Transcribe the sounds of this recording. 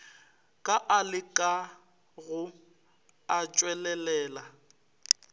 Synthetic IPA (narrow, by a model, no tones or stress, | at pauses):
kʼaʔalɪkʼa | ɣʊ | at͡ʃʼwɛlɛlɛːla